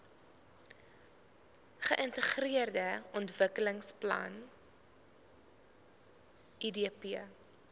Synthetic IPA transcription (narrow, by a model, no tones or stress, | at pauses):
χəʔəntəχriərdəɔntvəkələŋsplɐ̰n | idiəpiə